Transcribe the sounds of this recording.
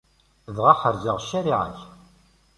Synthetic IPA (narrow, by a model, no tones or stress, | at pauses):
ðʁaχəɾzəʁʃːæɾiʕa̰ç